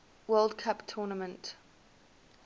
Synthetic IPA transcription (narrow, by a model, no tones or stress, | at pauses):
wɜːlˠdkʰaptʰɔːnəmə̃nt